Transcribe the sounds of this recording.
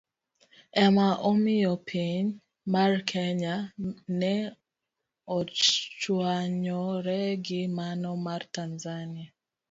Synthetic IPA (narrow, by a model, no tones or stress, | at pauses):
ɛmaʔomijɔpʰiɲ | markʰɛɲanɛ | ɔt͡ʃwaɲɔɾɛɡɪmanɔmartanzania